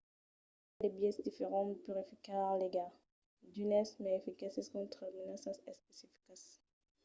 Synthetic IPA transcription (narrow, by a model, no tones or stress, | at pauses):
lebjɛsd̪ifeʁɑ̃pyʁefikaʁleɡa | d̪ynɛsmɛefikasiskɔ̃t̪χəminasasɛspesifi̥kas